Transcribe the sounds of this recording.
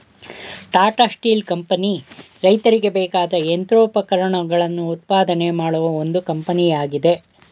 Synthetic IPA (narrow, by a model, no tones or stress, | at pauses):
ʈaːɾʈaːsʈiːlkɐmpɐni | ɾɐjt̪ɐɾiɡe̞bɛːkaːd̪ɐent̪ɾoːpɐkɐɾɐɳɐɡɐɭɐnːuːt̪̚paːd̪ɐne̞maːɽuʋɐo̞nd̪ukɐmpɐnijaːɡid̪e̞